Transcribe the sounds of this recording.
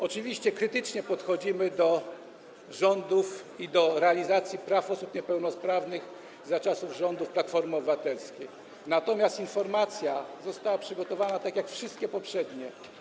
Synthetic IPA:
ɔt͡ʂɘvʲiɕt͡ɕɛkɾɘt̪ɘt͡ʂɲɛpɔt̪xɔd͡ʑimɘd̪ɔ | ʐɔnd̪ufid̪ɔɾɛalʲizat̪sʲjipɾafɔsupɲɛpɛwnɔspɾavnɘɣ | zat͡ʂasuvʐɔnd̪ufplat̪fɔɾmɘɔbɘvat̪ɛlskʲej | nat̪ɔmʲjast̪infɔɾmat̪sʲjazɔst̪awapʂɘɡɔt̪ɔvanat̪akʲjakfʂɨst̪̚kʲɛpɔpʂɛd̪ɲɛ

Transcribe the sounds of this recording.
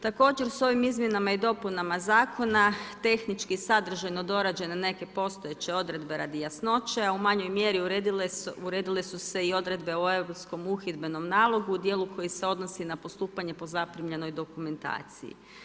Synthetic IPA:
t̪ako̞ːd͡ʒe̞ɾso̞ʋimizmje̞namaid̪o̞punamazaːkʰo̞nat̪e̞xnit͡ʃkisad̪r̩ʒajno̞d̪o̞ɾad͡ʑe̞ne̞ne̞ke̞po̞st̪ojet͡ɕe̞o̞d̪ɾe̞d̪be̞ɾad̪ijasno̞t͡ʃe̞aumaɲo̞jmje̞ɾiuɾed̪uɾeːd̪ile̞suse̞io̞d̪ɾe̞d̪be̞oe̞ʋɾo̞psko̞muxid̪be̞no̞mnaːlˠo̞ɡuːd̪jeːlˠukʰo̞jise̞o̞d̪no̞sinapo̞st̪uːpaɲe̞po̞zapɾimʎe̞no̞jd̪o̞kume̞nt̪a̰ːt̪sḭjḭ

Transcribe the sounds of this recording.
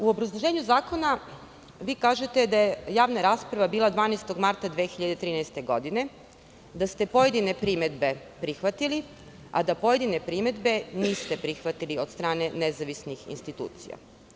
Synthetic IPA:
uo̞bɾazlˠoʒe̞ːɲuzaːko̞na | ʋiːkaːʒe̞t̪e̞d̪ajejaːʋnaɾaːspɾaʋabiːlˠad̪ʋaːnest̪o̞ɡmaɾt̪ad̪ʋeːxiʎad̪et̪ɾiːnɛjst̪e̞ɡo̞d̪ine̞ | d̪ast̪e̞po̞je̞d̪ine̞pɾime̞d̪be̞ | pɾixʋat̪ili | a̰d̪apo̞je̞d̪ine̞pɾime̞d̪be̞niːst̪e̞pɾixʋat̪iliod̪st̪ɾaːne̞nezaʋisnixḭnst̪it̪ṵːt̪sḭja̰

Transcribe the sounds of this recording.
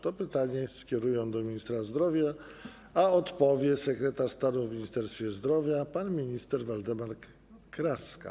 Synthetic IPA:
t̪ɔpɘt̪aɲɛskʲɛɾujɔwd̪ɔmʲiɲist̪ɾazd̪ɾɔvʲja | aɔt̪pɔvʲjɛsɛkɾɛt̪aʂst̪anuvmʲiɲist̪ɛɾst̪fʲjɛzd̪ɾɔvʲjapanmʲiɲist̪ɛɾvald̪ɛmaɾk | kɾaska̰

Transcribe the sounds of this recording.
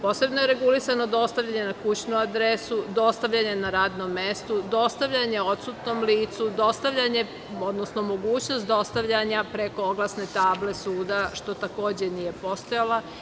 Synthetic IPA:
po̞ːse̞bnojeɾe̞ɡulisano̞d̪o̞st̪aʋʎʲaɲe̞nakut͡ɕnuad̪ɾesud̪o̞st̪aʋʎaɲe̞naɾaːd̪no̞mːest̪ud̪o̞st̪aʋʎaɲe̞o̞t̪sut̪no̞mliːt̪sud̪o̞st̪aʋʎaɲe̞ | o̞d̪nosno̞mo̞ɡuːt͡ɕno̞st̪̚d̪o̞st̪aʋʎaɲapɾeko̞oɡlˠasne̞t̪aːble̞suːd̪aʃt̪o̞t̪ako̞ːd͡ʑenije̞po̞st̪ojala

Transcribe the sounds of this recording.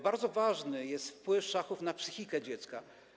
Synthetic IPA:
baɾd̪zɔvaʐnɘjɛst̪fpwɘfʂaxufnapsɘxʲikɛd͡ʑɛt̪ska

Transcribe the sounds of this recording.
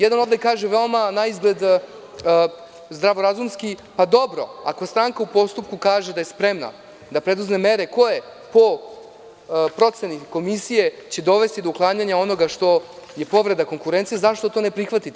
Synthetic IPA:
jɛd̪ano̞vd̪ekaːʒeʋeomanaizɡled̪ | zd̪ɾaʋoɾazumskipad̪o̞bɾo̞̰a̰ko̞st̪ɾaŋkaupo̞st̪up̚kukaːʒed̪ajespɾe̞mna̰ | d̪apɾed̪uzme̞meɾe̞ko̞je | po̞ | pɾo̞t̪seniko̞misije̞t͡ɕe̞d̪o̞ʋe̞st̪id̪ouklˠaːɲaɲao̞no̞ɡaʂt̪o̞je̞po̞ʋɾe̞d̪ako̞ŋkuɾe̞nt̪sijezaʃt̪o̞t̪o̞ːnepɾixʋat̪it̪e

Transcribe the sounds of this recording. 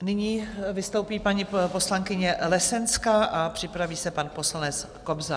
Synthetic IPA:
nɪɲiːvɪst̪o̞wpiːpaɲipo̞slaŋkɪɲɛlɛsɛnskaʔapr̝̥ɪpɾaviːsɛpanpo̞slanɛt͡s | ko̞bza

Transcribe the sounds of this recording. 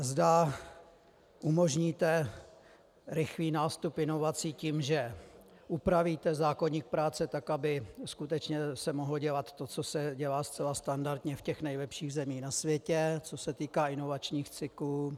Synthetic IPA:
zda | ʔumo̞ʒɲiːt̪ɛ | ɾɪxliːnaːst̪upɪno̞vat͡siciːmʒɛ | ʔupɾaviːt̪ɛzaːkoɲiːk̚pɾaːt͡sɛt̪akʔabɪskut̪ɛt͡ʃɲɛsɛmoɦloɟɛlat̪ːo̞t͡so̞sɛɟɛlaːst͡sɛlast̪andaɾdɲɛfcɛxnɛjlɛpʃiːɣzɛmiːnasvjɛcɛt͡sosɛt̪iːkaːɪno̞vat͡ʃɲiːxt͡sɪkluː

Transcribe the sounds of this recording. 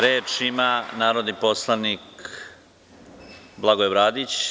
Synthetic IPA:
ɾeːt͡ʃimanaːɾod̪nipo̞slˠanik | blˠaɡojebɾaːd̪it͡ɕ

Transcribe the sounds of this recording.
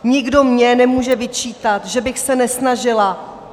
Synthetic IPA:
ɲɪɡdo̞mɲɛnɛmuːʒɛvɪt͡ʃiːt̪at̪ʒɛbɪxsɛnɛsnaʒɪla

